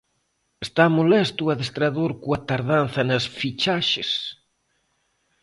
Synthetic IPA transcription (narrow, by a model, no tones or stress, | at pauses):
est̪amolɛst̪uɐðest̪ɾaðoɾkuɐt̪aɾðanθɐnɐsfit͡ʃaʃes